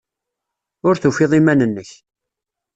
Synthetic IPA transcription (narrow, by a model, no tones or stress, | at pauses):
ʊɾθufɪðˤimænənːəç